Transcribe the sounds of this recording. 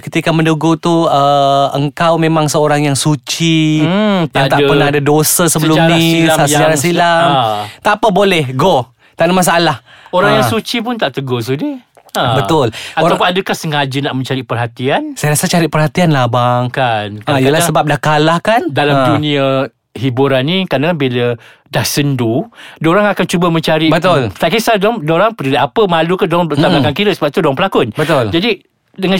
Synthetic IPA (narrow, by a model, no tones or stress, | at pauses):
kət̪ikaməndəɡot̪uəəŋkawmẽmaŋsəoɾaŋjaŋsut͡ʃi | t̪at̪aʔpərnaadadosasəbəlumnisaəd͡ʒaɾasilat̪apabolɛhɡo | t̪anamas̬aʔalahoɾaŋjaŋsut͡ʃip̬ʊnt̪aʔt̪əɡos̬udi | abət̪ʊlatoapunadəkahsəŋad͡ʒənaʔmə̃ɲt͡ʃaɾiʔpərɦat̪iansajaɾasat͡ʃaɾɪʔ̚pərhat̪ianlahbaŋkankaikaəlahsəbap̚dahkalahkandalamdunĩa | ɦibuɾanːĩkadakabilə | dahsəndudoɾaŋakant͡ʃubəmə̃ɲt͡ʃaɾibət̪ʊlt̪akisadŋdoɾaŋpədiɾiʔapəmalukandoɾaŋt̪abakankiɾəsəbapit̪udoaŋpəlakʊnbət̪ʊld͡ʒadi | dəŋa